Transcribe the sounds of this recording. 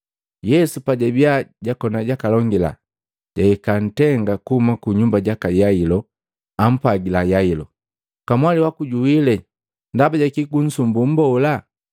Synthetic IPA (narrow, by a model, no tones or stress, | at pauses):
jɛsupaɟabiaɟakɔnaɟakalɔŋɡila̰ | ɟaikan̩tɛŋɡakuhumakuɲumbaɟakajailɔ | am̩paɡilajailɔ | kamwaliwakuɟuilɛ | ndabaɟakiɡun̩sumbum̩bɔla